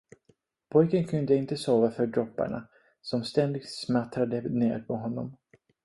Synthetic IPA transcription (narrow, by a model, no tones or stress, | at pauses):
pʰɔjkənkʰɵnd̪əɪnt̪əsoːvafœɖɾɔpːa̰ɳa̰ | sɔmst̪ɛnd̪ɪɡt̪smat̪ɾad̪ənḛːɾpʰɔɦɔnːɔ̰m